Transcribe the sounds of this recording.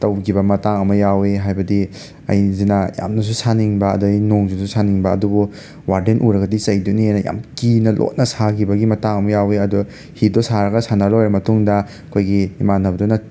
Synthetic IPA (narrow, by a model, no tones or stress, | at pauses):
tɐwɡibɐmɐtaŋɐmɐjaweɦajbɐdi | ɐ̰jzinɐja̰mnɐs̬usaniŋbɐ̰ːdɐinoŋzinsusʰaniŋbɐ̰ːdubu | waɾdenʔuɾɐɡɐdisɐjdunienɐja̰mkinɐlʔo̰t̚nɐsakibɐɡimɐtaŋɐmɐjaweɐdɔ | hidɔsaɾɐɡɐsanɐlojɾɐmɐtuŋdɐ | kʰojɡiimanːɐbdunɐ